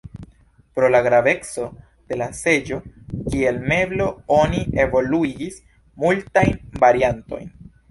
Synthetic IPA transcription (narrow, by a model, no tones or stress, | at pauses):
pɾo̞laɡɾave̞kt͡so̞ | d̥e̞lase̞d͡ʒo̞kie̞lme̞blo̞o̞nie̞vo̞luiɡis | multajnvaɾianto̞̰jn